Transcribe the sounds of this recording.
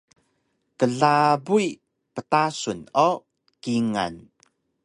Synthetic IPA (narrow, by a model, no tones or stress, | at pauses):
kəɮabui | pətasuno | kiŋa̰n